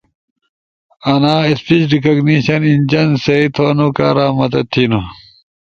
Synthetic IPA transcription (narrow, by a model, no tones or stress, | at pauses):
ɐnaːispit͡ɕɖikɐɡniɕɐnind͡ʑɐnseit̪ʰoːnukaːɾaːmɐt̪ɐt̪ʰinu